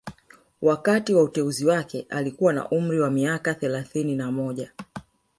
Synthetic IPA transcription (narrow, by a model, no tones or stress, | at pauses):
wakatiwautɛuziwakɛʔalikuwana̰ʔum̩ɾiwamiakaθɛlaθininamɔʄa